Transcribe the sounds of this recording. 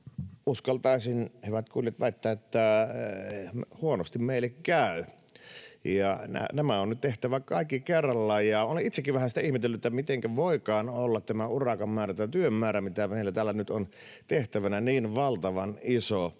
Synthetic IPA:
uskɑlt̪ɑˑisinhyʋæt̪kuljɑt̪ʋæˑit̪ːæːet̪ːæ | huonost̪immeˑilːekkæˑy | jɑnæ̰næmæonnyt̪t̪eht̪æʋækɑˑikːikerːɑlːɑjjɑoleʔit̪sekːiʋʋæhæsit̪æihmet̪elːut̪ːet̪ːæmit̪eŋkæʋoˑikɑːnolːɑt̪t̪æmæurɑkɑmmæːræt̪t̪yømːæːɾæmit̪æmeˑilːæt̪æːlːænyt̪on | t̪eht̪æʋænæniːnʋɑlt̪ɑʋɑniso

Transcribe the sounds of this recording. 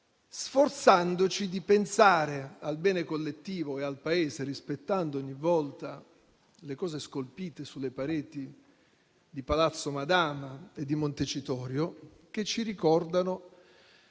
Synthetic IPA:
sfort̪sand̪ot͡ʃid̪ipensaːɾealbɛːnekolːet̪ːiːvoealpaeːzerispet̪ːand̪ooɲːivːɔlt̪a | lekɔːzeskolpiːt̪esulːepaɾeːt̪i | d̪ipalat̪sːomad̪aːmaed̪ːimont̪et͡ʃit̪ɔːɾjo | k̟et͡ʃːiɾikɔrd̪ano

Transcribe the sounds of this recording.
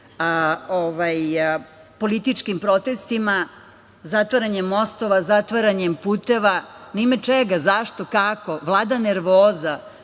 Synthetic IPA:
oʋaj | po̞lit̪it͡ʃkimpɾo̞t̪e̞st̪ima | zat̪ʋaɾaɲemːo̞st̪o̞ʋazat̪ʋaɾaɲempuːt̪e̞ʋanimat͡ʃeɡazaʃt̪o̞kako̞ʋlˠaːd̪aneɾʋoːza

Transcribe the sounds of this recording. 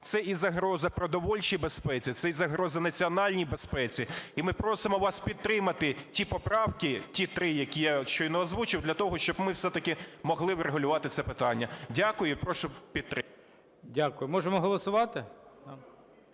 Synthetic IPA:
t̪sɛʔizɐɦɾɔzɐpɾɔd̪ɔʋɔlʲt͡ʃijbespɛt͡sʲit̪sɛizɐɦɾɔzɐnɐt͡sʲiɔnɑlʲnʲijbespɛt͡sʲiimɪpɾɔsɪmɔʋɑspʲid̪̚t̪ːɾɪmɐt̪ɪtʲipɔpɾɑwkɪtʲit̪ɾɪjɐkʲijaʃt͡ʃɔinɛɔzʋut͡ʃɪwd̪lʲɐt̪ɔɦɔʃt͡ʃɔbmɪwsɛt̪ɐkʲɪmɔɦlˠɪwɾeɦʊlʲʊʋɑt̪ɪt̪sɛpɪt̪ɑnʲːɐdʲakʊjʊpɾɔʃʊpʲid̪̚t̪ɾɪ | dʲakʊjʊmɔʒemɔɦɔlˠɔsʊʋɑt̪ɪ

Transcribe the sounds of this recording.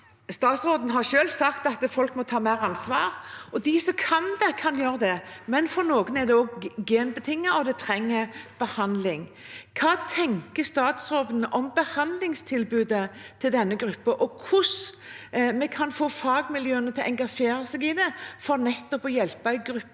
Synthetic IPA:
st̪ɑːt̪sɾoːd̪ənɦɑɾʃøːlsɑkt̪ɑt̪fɔlkmɔt̪ʰɑːmæɪɾɑnsʋɑːɾɔd̪ɪsɔmkʰɑnd̪ɛkʰɑnjøːɾəd̪ɛmɛnfɔɾnoːɡənɛd̪ɛɔɡɡeːnbət̪ʰɪŋːɑɔd̪ɛt̪ʰɾɛŋːəɾb̥əhɑnd̪lɪŋ | kʰɑːt̪ʰɛŋkəst̪ɑːt̪sɾoːd̪ənəʔɔmbəhɑnd̪lɪŋst̪ʰɪlbʉːd̪ət̪ʰɪld̪ɛnːəɡɾʉpːəʔɔkʰʊs | mɛkʰɑnfoːfɑːɡmɪljøːənət̪ʰɪlʔɛŋɡɑʂeːɾɑsɛɡɪd̪ɛfɔɾnɛt̪ːɔpɔjɛlpɑɛɡɾʉpː

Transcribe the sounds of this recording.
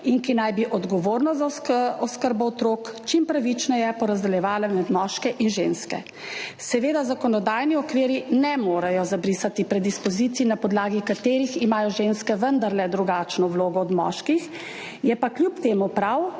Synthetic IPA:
inkinajbiʔɔd̪ɡɔʋoɾnɔzakɔskəɾbɔɔt̪ɾoːkt͡ʃimpɾaʋit͡ʃnɔjɛpɔɾazd̪ɛljɛʋaːlamɛd̪mɔːʃkɛʔinʒenskɛ̰ | sɛʋeːd̪azakɔnɔd̪aːjniɔkʋeːɾinɛmoːɾajɔzabɾiːsat̪ipɾɛd̪ispɔzit̪sinapɔd̪laːɡikat̪eːɾiximaːjɔʒenskɛʋənd̪aɾlɛd̪ɾuɡaːt͡ʃnɔwloːɡɔːd̪mɔ̰ʃkix | jɛpakljupt̪eːmupɾaw

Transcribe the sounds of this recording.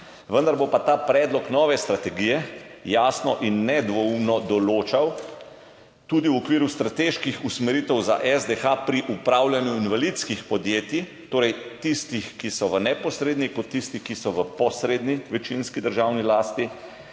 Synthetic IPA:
ʋənd̪aɾbopat̪aːpɾɛːd̪lɔknɔːʋɛst̪ɾat̪ɛɡiːjɛjaːsnɔʔinːɛd̪ʋɔumnɔd̪ɔloːt͡ʃaw | t̪uːd̪iwɔkʋiːɾust̪ɾat̪eʃkixusmɛɾit̪ɛwza̰ʔɛzd̪exapɾiʔupɾaːwljanjuinʋalit̪skixpɔd̪jeːt̪i | t̪oːɾɛjt̪ist̪ixkisɔʋənɛpɔsɾeːd̪nikɔt̪ːist̪ikisɔʋəpɔsɾeːd̪niʋɛt͡ʃinskid̪əɾʒaːwnilaːst̪i

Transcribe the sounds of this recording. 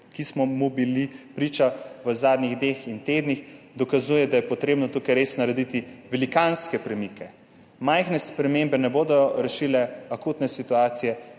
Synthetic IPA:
kismɔmubilipɾit͡ʃaʋəzaːd̪niɣd̪nexint̪eːd̪nix | d̪ɔkazuːjɛd̪ajɛpɔt̪ɾeːbnɔt̪ukajɾeːsnaɾɛd̪it̪iʋɛlikanskɛpɾɛmikɛ | majxnɛspɾɛmembɛnɛboːd̪ɔɾɛʃilɛakuːt̪nɛsit̪uaːt̪sijɛ

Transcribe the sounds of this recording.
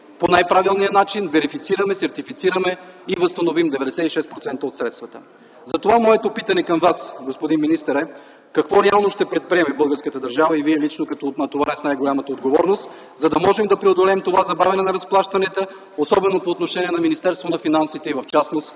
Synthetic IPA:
ponajpɾavilˠnijənat͡ʃinvɛɾifit̪siɾɐmɛsɛɾt̪ifit̪siɾɐmɛivəst̪ɐnovimd̪ɛvɛd̪ɛsɛt̪iʃɛspɾot̪sɛnt̪əot̪sɾɛt̪st̪vɐt̪ə̥ | zɐt̪ovamɔɛt̪opit̪ɐnɛkɐmvasɡospod̪inminist̪əɾɛ | kɐkvɔɾɛalˠnoʃt̪ɛpɾɛt̪̚pɾiɛmɛbɤlˠɡəɾskət̪əd̪əɾʒavəiviɛlit͡ʃnokɐt̪ɔnɐt̪ovaɾɛsnajɡolʲamət̪əod̪ɡovɔɾnost̪ | zɐd̪ɐmɔʒɛmd̪ɐpɾɛod̪olɛmt̪ovazɐbavɛnɛnɐɾɐsplˠaʃt̪ɐnɛt̪ə | osɔbɛnopoːt̪noʃɛniɛnɐminist̪ɛɾst̪vonɐfinansit̪ɛivɐft͡ʃasnost̪

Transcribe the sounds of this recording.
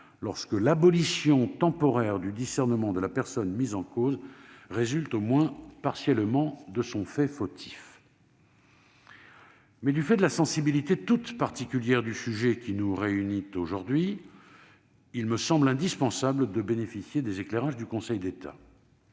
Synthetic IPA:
lɔʁskəlabɔlisjɔ̃t̪ɑ̃pɔʁɛʁd̪yd̪isɛʁnəmɑ̃d̪əlapɛʁsɔnmizɑ̃kozʁezylt̪omwɛ̃paʁsjɛlmɑ̃d̪əsɔ̃fɛfot̪ʰi̥f | mɛd̪yfɛd̪əlasɑ̃sibilit̪et̪ut̪paʁt̪ikʲyljɛʁd̪ysyʒɛkʲinuʁeynit̪oʒuʁd̪ɥi | ilməsɑ̃blɛ̃d̪ispɑ̃sabləd̪əbenefisjed̪ezekleʁaʒd̪ykɔ̃sɛjd̪et̪ʰa̰

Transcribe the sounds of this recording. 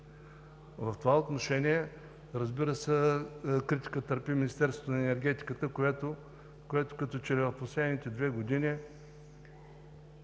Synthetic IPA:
vɐft̪ovaot̪noʃɛniɛ | ɾəzbiɾəsɛkɾit̪ʲi̥kət̪əɾpiminist̪ɛɾsvo̥t̪ʊnɐɛnɛɾɡ̟ɛt̪i̥kət̪əkoɛt̪o | koɛt̪ʊ̥kɐt̪ɔt͡ʃɛɾɛposlɛd̪nit̪ɛd̪vɛɡod̪inʲi

